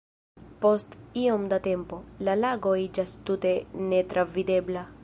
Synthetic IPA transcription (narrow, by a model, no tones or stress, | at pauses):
po̞st̪io̞md̪at̪e̞mpo̞lalaɡo̞id͡ʒast̪ut̪e̞ne̞t̪ɾʔavid̪e̞bla